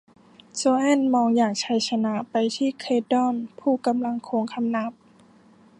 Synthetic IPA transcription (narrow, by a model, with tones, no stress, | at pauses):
t͡ɕoː˧ʔɛ˥˨nmɔː˧ŋjaː˨˩k̚t͡ɕʰa˧˥jt͡ɕʰa˧na˦˥ʔpa˧jt̪ʰiː˥˩kʰeː˧˥t̪̚dɔ˥˩npʰuː˧˩ka˧mla˧ŋkʰoː˧ŋkʰa˧mna˧˦˥p̚